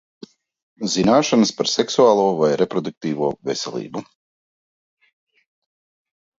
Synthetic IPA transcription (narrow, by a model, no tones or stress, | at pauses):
zinaːʃanəspaɾsɛksuaːlˠuːvajɾɛpɾɔd̪uk̚t̪iːvuɔvɛsʲɛlʲˠḭːbu